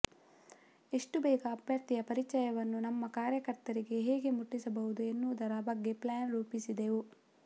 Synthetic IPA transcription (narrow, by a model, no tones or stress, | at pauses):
e̞ʂʈubɛːɡɐːbʱjɐɾt̪ijɐpɐɾit͡ʃːɐjɐʋɐnːunɐmːɐkaːɾjɐkɐɾt̪ɐɾiɡe̞ɦɛːɡe̞muʈːisɐbɐɦud̪ue̞nːuːd̪ɐɾɐbɐɡːe̞plaːnɾuːpisid̪eʋu